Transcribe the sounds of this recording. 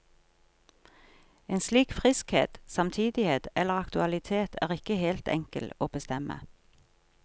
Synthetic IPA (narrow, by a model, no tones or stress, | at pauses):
eːnsliːkfʁɪskhḛːt̪sɑmt̪ʰiːd̪ɪheːt̪ɛləʁɑkt̪ʉɑlɪt̪ʰeːt̪ʰæ̰ːʁɪkəheːlt̪ɛ̰ŋkə̰loːbəst̪ɛmʔə̰